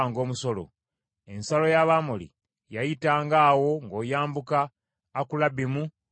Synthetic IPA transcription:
ŋɡo̞ːmuso̞lo̰ | e̞nsalo̞jaβaːmolḭ | jajitaːŋɡaːwo̞ŋɡo̞ːjaːmbukaː | kulabimu

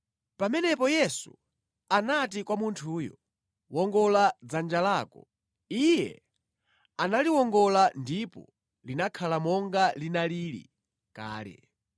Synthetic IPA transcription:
pamɛnɛpɔjɛsṵ | anatikwamuntʰuːjɔ̰ | wɔŋɡɔlad͡zand͡ʒalaːkɔ | ijɛ̰ | analiwɔŋɡɔlandipɔ̰ | linakʰalamɔŋɡalinaliɾḭ | ka̰ːlɛ̰

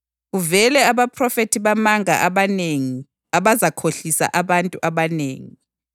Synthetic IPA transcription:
ɣuvɛlɛaβapʰrɔfetʰiβamaŋa̰ʔaβaneŋi | aβazakʰoɬisa̰ʔaβantʼuʔaβanḛːŋi

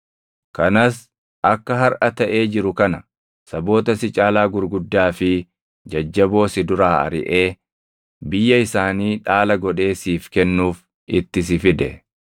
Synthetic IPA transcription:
kɐnɐs | ʔɐkːɐɦɐɾʔɐt̪ɐʔe̞ːd͡ʒɪɾʊkɐnɐ | sɐbo̞ːt̪ɐsɪt͡ʃʼaːlaːɡʊɾɡʊd̪ːaːfɪ | d͡ʒɐd͡ʒːɐbo̞ːsɪd̪ʊɾaːɐ̰ɾɪ̰ʔe̞ː | bɪjːɐɪsaːniːᶑaːlɐɡɔᶑe̞ːsiːfkɛnːuːf | ʔɪt̪ːɪs̬ɪfɪd̪ɛ̰

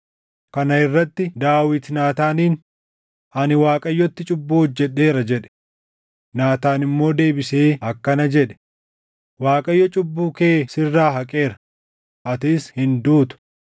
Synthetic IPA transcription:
kɐnɐɪrːɐt̪ːɪd̪aːwɪt̪naːt̪aːniːn | ʔɐnɪwaːkʼɐjːɔt̪ːɪt͡ʃʼʊbːuːɔd͡ʒːɛɗːe̞ːɾɐd͡ʒɛᶑɛ̥ | naːt̪aːnɪmːo̞ːd̪e̞ːbɪseːɐkːɐnɐd͡ʒɛᶑɛ̥ | waːkʼɐjːɔt͡ʃʼʊbːuːkeːsɪrːaːɦɐkʼe̞ːɾɐ | ʔɐt̪ɪshɪnd̪uːt̪ʊ̥

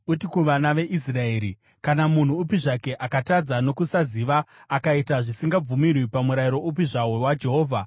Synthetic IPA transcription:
utikuʋanaʋe̞ʔisrae̞ːɾi | kanamun̤uːpiʐake̞ʔakatad͡zano̞kusaziʋaːkaitaʐisiŋɡab͡vumirwipamuɾaiɾo̞up̬iʐawowad͡ʒe̞ɦo̞ːvʱa

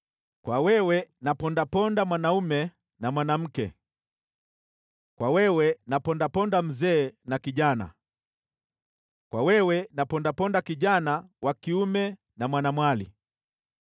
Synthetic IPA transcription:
kwawɛwɛnapɔndapɔndamwanaumɛ | namwanam̩kɛ̰ | kwawɛwɛnapɔndapɔndam̩zɛːnakiʄana̰ | kwawɛwɛnapɔndapɔndakiʄanawakiumɛ | namwanamwalḭ

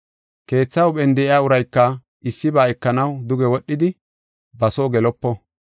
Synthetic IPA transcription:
ke̞ːt͡sːɐwɓɛnd̪ɛɪaːʊɾɐjkːɐ | ɪsːɪbaːɛkːɐnɐwd̪ʊɡɛwɔɗːɪd̪ɪ | bɐsoːɡɛlɔpːɔ

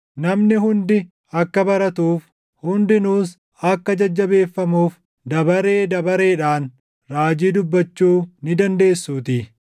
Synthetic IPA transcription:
nɐmnɪɦʊnd̪ɪ | ɐkːɐbɐɾɐt̪uːf | hʊnd̪ɪnuːs | ɐkːɐd͡ʒɐd͡ʒːɐbe̞ːfːɐmuːf | d̪ɐbɐɾe̞ːd̪ɐbɐɾe̞ːᶑaːn | ɾaːd͡ʒiːd̪ʊbːɐt͡ʃːuːnɪd̪ɐnd̪e̞ːsːuːt̪ɪ

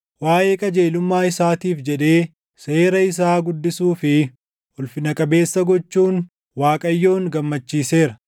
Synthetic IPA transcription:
waːʔeːkʼɐd͡ʒeːlʊmːaːɪsaːt̪iːfd͡ʒɛᶑe̞ː | seːɾɐɪs̬aːɡʊd̪ːɪsuːfɪ | ʔʊlfɪnɐkʼɐbe̞ːsːɐɡɔt͡ʃːuːn | waːkʼɐjːo̞ːŋɡɐmːɐt͡ʃːiːse̞ːɾɐ

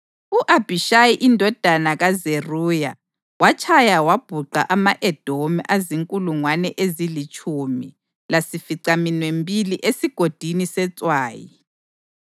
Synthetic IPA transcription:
uʔab̥ʱiʃajiʔindʱɔd̥ʱanaɣazeruːja | wat͡ʃʰʼajawab̥ʱuɡ͡ǃʱaʔamaʔɛd̥ʱomɛʔaziŋkʼuluŋwanɛʔezilit͡ʃʼʰumi | lasifiǀaminwembʱiliʔesiɡ̥ʱod̥ʱinisɛt͡sʼwaːjḭ

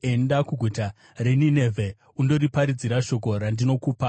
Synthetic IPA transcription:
e̞ndakuɡʱuta | reninevʱe̞ | undo̞ɾipaɾid͡ziɾaʃo̞ko̞ɾandino̞kuːpa

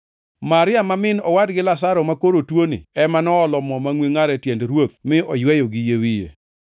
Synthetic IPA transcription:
maɾɪamamɪnɔwadɡɪlas̬aɾɔmakoɾotwonḭɛmanɔːlɔmɔmaŋwiŋaɾɛtjendɾwot̪mɪɔjwɛjɔɡɪjewijḛ

